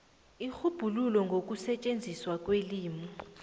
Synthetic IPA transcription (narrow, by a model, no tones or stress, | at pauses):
ixub̥ʱululɔŋɡʱok̬ʼusɛt͡ʃʼend͡zʱiswak̬ʼweliːmɔ